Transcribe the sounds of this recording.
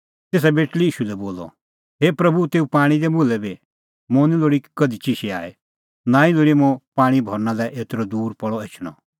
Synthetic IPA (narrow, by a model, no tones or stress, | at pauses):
t̪eːs̬abeːʈliiːʃulɛboːlɔ̰ | ɦeːpɾɐbut̪eːupaːɽ̃id̪ɛbʊlɛbi | mɔ̃nĩloːɽikɐd̪it͡ʃiʃia̰ːe | nãːĩloːɽimɔ̃paːɽ̃ibʱɔɾnãlɛʔeːt̪ɾɔd̪uːɾpɔɽɔeːt͡ʃʰɽ̃ɔ̰